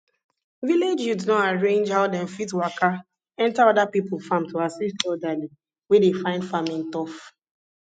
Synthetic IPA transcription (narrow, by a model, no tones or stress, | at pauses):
viled͡ʒjudnɔaɹẽnd͡ʒhaʊdɛ̃nfitwaka | ɛ̃ntaɔdapipl̩ˠfãmtʰuasistɔdali | wedefãɪ̃ndfamĩntɔf